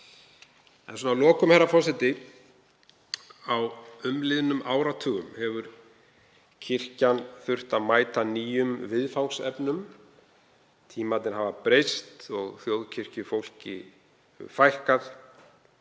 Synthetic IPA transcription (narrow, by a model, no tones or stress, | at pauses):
ɛ̰nsuɔnalɔːkʏmhɛɾafɔr̥sɛt̪ɪ | awʏmlɪðnʏmaːwɾat̪ʰœːɣʏmhɛvʏɾ | cʰɪr̥canθʏr̥t̪aðmaːjt̪aniːjʏmvɪðfawnsɛ̰pnʏm | t̪ʰiːmat̪nɪɾɦavapɾejst̪ɔɣθjowðcʰɪr̥cʏfowl̥cɪ̰ | fajhkaθ